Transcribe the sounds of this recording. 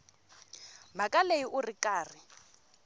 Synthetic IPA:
makʼaleiʔʊrikʼaːrɪ

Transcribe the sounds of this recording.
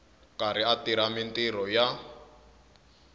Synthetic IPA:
kaɾiatiɾamintiɾɔja

